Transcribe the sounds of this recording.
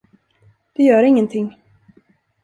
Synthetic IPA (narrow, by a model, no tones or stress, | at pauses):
d̪̥ɛjœːɾɪŋːənt̪ʰɪŋː